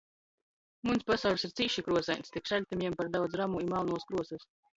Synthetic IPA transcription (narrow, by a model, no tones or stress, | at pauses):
munʲspasawʎʲsiɾt̪siʃikɾuɔsɛjnst̪ikʃalʲt̪ʲimʲjiɛmpaɾd̪awd̪zɾamuimalˠnuɔskɾuɔsɛs